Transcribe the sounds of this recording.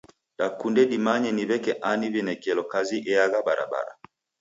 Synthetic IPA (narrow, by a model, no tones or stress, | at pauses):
dakundɛdimaɲɛniβɛkɛʔaniβɛnɛkɛlɔkaziʔɛaɣabaɾʔa̰ba̰ɾa̰